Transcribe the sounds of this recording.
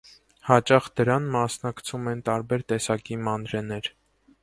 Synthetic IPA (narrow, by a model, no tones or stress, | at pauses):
hɑt͡ʃɑχd̪əɾɑnmɑsnɑkt͡sʰumɛnt̪ɑɾbɛɾt̪ɛsɑkimɑnɾɛnɛɾ